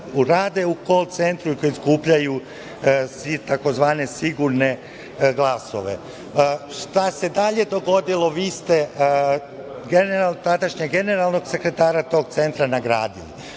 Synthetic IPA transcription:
uɾaːd̪e̞ukolt̪se̞nt̪ɾuikojiskuːpʎaju | sit̪ako̞zʋaːne̞siɡuɾne̞ | ɡlˠaso̞̰ʋe̞̰ | ʃt̪ase̞d̪aʎe̞d̪o̞ɡo̞d̪ilo̞ʋiːst̪e̞ | ɡenat̪ad̪aʃɲeɡe̞ne̞ɾalˠno̞ɡse̞kɾe̞t̪aːɾat̪o̞ːɡ̚t̪se̞nt̪ɾanaɡɾa̰ːd̪ḭlḭ

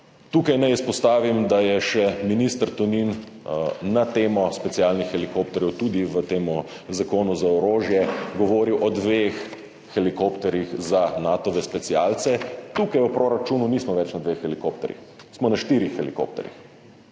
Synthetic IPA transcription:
t̪uːkajnajispɔst̪aːʋimd̪ajɛʃɛminist̪əɾt̪unin | nat̪eːmɔspɛt̪sialnixːɛlikoːpt̪ɛɾjɛwt̪uːd̪iʋət̪eːmu | zakoːnuzaɔɾoːʒjɛɡɔʋoːɾiwʔɔd̪ʋexː | ɛlikopt̪ɛɾjixzanat̪ɔʋɛspɛt̪sialt̪sɛt̪uːkajəpɾoɾat͡ʃuːnuniːsmɔʋɛt͡ʃnad̪ʋexɛlikop̚t̪ɛɾjḭx | smɔnaʃt̪iːɾixːɛliko̰ːp̚t̪ɛ̰ɾjḭx

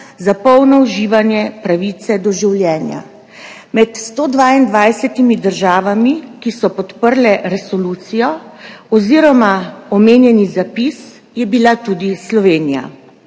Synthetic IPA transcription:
zapɔwnɔuʒiːʋanjɛpɾaʋiːt̪sɛd̪ɔʒiwljɛːnja̰ | mɛt̪st̪oːd̪ʋaind̪ʋajsɛt̪imid̪əɾʒaːʋamikisɔpɔt̪pəɾlɛɾɛsɔluːt̪sijɔɔziːɾɔmaɔmeːnjɛnizapis | jɛbilat̪ud̪islɔʋeːnija̰

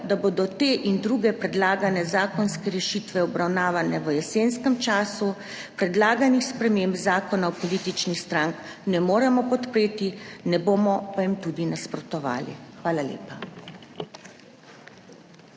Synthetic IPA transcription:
d̪aboːd̪ɔt̪eːʔind̪ɾuɡɛpɾɛd̪laːɡanɛzaːkɔnskɛɾɛʃiːt̪ʋɛɔbɾawnaːʋanɛʋəjɛseːnskəmt͡ʃaːsu | pɾɛd̪laːɡanixspɾɛmembzaːkɔnawpɔlit̪it͡ʃnixst̪ɾaŋknɛmoːɾɛmɔpɔt̪pɾeːt̪inɛboːmɔpajimt̪uːd̪inaspɾɔt̪ɔʋa̰ːlḭxʋaːlalḛːpa

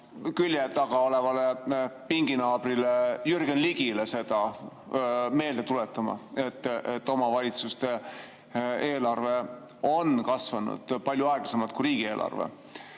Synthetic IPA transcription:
kylʲjet̪ːɑɡ̥ɑo̞le̞vɑlepiŋɡinɑːb̥rilejyrɡ̥enliɡilese̞d̪̥ɑ | me̞ːld̪e̞t̪ulet̪ːˑɑmɑ̰e̞t̪ːˑet̪ːo̞mɑvɑlʲit̪sust̪e̞ | e̞ːlɑrve̞ | o̞nkɑsvɑnṵd̪̥pɑlʲjuɑeɡ̥lɑse̞mɑt̪̚kuɾiːɡ̥ie̞ːlʔɑ̰rvḛ

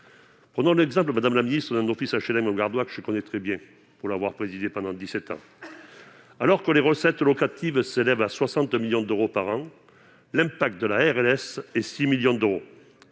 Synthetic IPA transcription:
pχənɔ̃lɛɡzɑ̃mp̬ləmad̪amlaminist̪χəd̪ɛ̃nɔfisaʃelɛ̃məɡaʁd̪wakəʒəkɔnɛt̪χɛbjɛ̃ | puʁlavwaʁpχezid̪epɑ̃d̪ɑ̃d̪isɛt̪ɑ̰̃ | alɔʁkəleʁəsɛt̪lɔkat̪ivselɛvaswasɑ̃t̪miljɔ̃d̪øʁopaʁɑ̃ | lɛ̃pak̚t̪̚d̪əlaɛʁɛlɛsɛsimiljɔ̃d̪øʁo

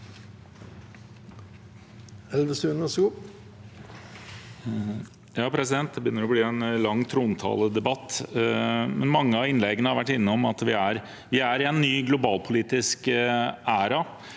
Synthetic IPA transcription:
ɛlʋəsʉːnəsɡuː | jɑːpʰɾɛsɪd̪ɛnt̪̚d̪ɛbəʏnːəɾɔbliːɛnlɑŋːt̪ʰɾuːnt̪ʰɑ̰ːləd̪ɛbɑt̪ː | mɛnmɑŋːəɑʋɪnlɛɡənəhɑɾʋæʈːɪnːəɔmɑt̪ʋɪæɾ | ʋɪæɾɪɛnːyːɡlʊbɑːlpʰʊliːt̪ɪskʔæːɾɑ

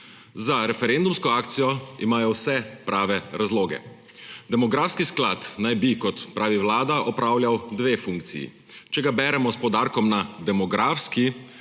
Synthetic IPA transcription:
zaɾɛfɛɾɛnd̪umskɔaːkt̪sijɔimaːjɔwsɛpɾʔaːʋɛɾazloːɡɛ̰ | d̪ɛmɔɡɾaːfskiskla̰t̪najbikɔt̪pɾaːʋiwlaːd̪aʔɔpɾaːwljawd̪ʋeːfuŋk̚t̪sḭjḭ | t͡ʃɛɡabɛːɾɛmɔspɔd̪aːɾkɔmnad̪ɛmɔɡɾʔaːfski

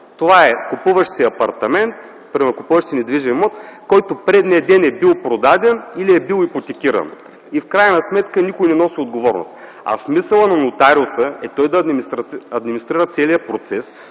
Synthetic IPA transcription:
t̪ovaɛkupuvəʃsiɐpɐɾt̪ɐmɛnt̪ | pɾimɛɾkʊpuvəʃt̪sinɛd̪viʒɛnmɔt̪kɔjt̪ʊpɾɛd̪nʲɛd̪ɛnɛbilˠpɾod̪ad̪ɛniliɛbilˠipot̪ɛkʲiɾə̰n | ifkɾajnɐsmɛt̪kənikʊjnɛnɔsiod̪ɡovɔɾno̰st̪ | ɐ̰smisəlˠənɐnot̪aɾʊsəɛt̪ɔjd̪ɐɾɐd̪minist̪ɾiɾət̪sɛlijəpɾot̪sɛs

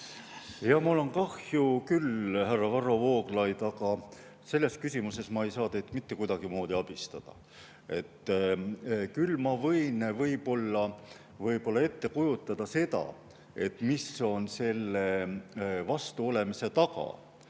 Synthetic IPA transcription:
jɑmulo̞nkɑhjukylhærːɑvɑro̞vo̞ːɡ̥lɑjd̪̥ɑɡɑ | se̞lːe̞skysʲimuse̞smɑe̞jsɑːt̪ejt̪mit̪ːe̞kujd̪ɑɡ̥imo̞ːd̪iɑb̥ist̪ɑd̪̥ɑ̰ | e̞t̪ː | kylmɑvɤjnvɤjpo̞lːɑ | vɤjpolːɑe̞t̪ːe̞kujut̪ːˑɑd̪̥ɑse̞d̪̥ɑ̰ | e̞t̪ːˑmiso̞nse̞lːe | vɑst̪uo̞le̞mise̞t̪ɑɡɑ̰

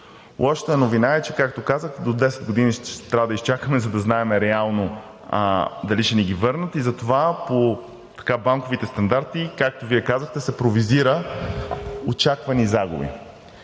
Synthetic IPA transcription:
ɔʃt̪ɛɛnovinaɛt͡ʃɛkak̚t̪okazəxd̪od̪ɛsɛd̪ɡod̪iniʃt̪ɾavəd̪əist͡ʃakəmɛzɐd̪ɐznaɛmɛɾɛalˠno | d̪ɐliʃɛniɡivɤɾnət̪izɐt̪ovapo | t̪ɐ̥kabaŋkovit̪ɛst̪ɐnd̪aɾt̪ikak̚t̪oviɛkazəxt̪ɛsɛpɾoviziɾə | ot͡ʃakvɐnizaɡʊ̰bḭ

